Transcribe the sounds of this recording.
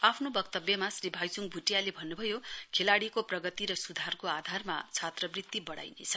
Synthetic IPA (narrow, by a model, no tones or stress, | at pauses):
apʰnobʌkt̪ʌbjʌmasribʱajsuŋbʱuʈjalebʱʌnːubʱʌjokʰelaɽikoprʌɡʌt̪iɾʌsud̪ʱarkoad̪ʱarma̰t͡sʰat̪rʌbrit̪ːibʌɽa̰jnḛt͡sʰʌ̥